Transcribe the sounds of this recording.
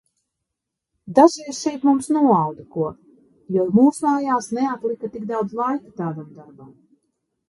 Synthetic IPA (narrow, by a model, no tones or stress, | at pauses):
d̪aʒɛjsʃɛjp̪mumsnuɔawd̪akuɔ | jɔmuːsmaːjaːsnɛat̪lˠikat̪iɡd̪awd̪zlˠajkat̪aːd̪amd̪aɾbam